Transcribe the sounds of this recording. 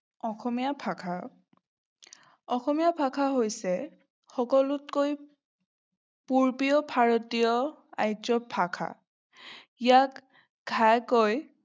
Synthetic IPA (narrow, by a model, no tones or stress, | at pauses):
ɔxʰɔmijapʰakʰa | ɔxɔmijapʰakʰaɦojsɛ | xɔkɔlutkoj | puɹpijɔpʰaɹɔtiɔ | a̰jzɔpʰakʰa̰ | ijak | ɡʱajkoj